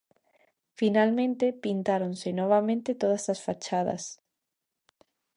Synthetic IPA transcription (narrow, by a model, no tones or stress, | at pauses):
finalmẽnt̪epint̪aɾonsenɔβ̞amẽnt̪et̪oð̞ɐsasfat͡ʃaðɐ̰s